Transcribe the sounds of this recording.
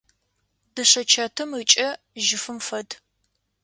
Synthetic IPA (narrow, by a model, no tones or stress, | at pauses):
dɨʂɐt͡ʃʰɐtʰɨmət͡ʃʼɐ | ʒɪfɨmfɐd